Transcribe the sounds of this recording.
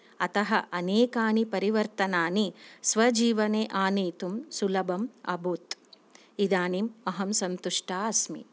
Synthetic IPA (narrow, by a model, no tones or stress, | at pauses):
ɐt̪ɐɦɐʔɐneːkaːnipɐɾiʋɐɾt̪ɐnaːnisʋɐd͡ʒiːʋɐneːʔaːneːt̪umsulɐbɐmɐ̰bʱut̪ | id̪aːnimɐɦɐmsɐnt̪uʂʈaːɐsmḭ